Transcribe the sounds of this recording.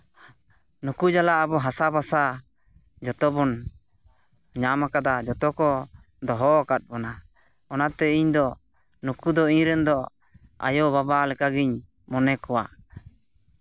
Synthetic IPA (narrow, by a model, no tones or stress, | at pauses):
nukud͡ʒalaʔabɔɦasabasa | d͡ʒɔt̪ɔbɔn | ɲamakad̪ad͡ʒɔt̪ɔkɔ | d̪ɔɦɔkat̪̚ˀbɔna | ɔnat̪ɛiɲd̪ɔ | nukud̪ɔiɲɾɛnd̪ɔ | a̰jobabalɛkaɡiɲ | mɔnɛkɔwa̰